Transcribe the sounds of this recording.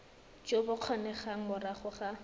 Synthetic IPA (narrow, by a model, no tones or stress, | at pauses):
t͡ʃʼobʊq͡χʰɔnɛχaŋ̩mʊraχʊχa